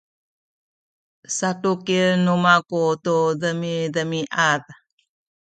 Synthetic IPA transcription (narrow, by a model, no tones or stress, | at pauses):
saʈukinumakutuðəmiðəmiʔað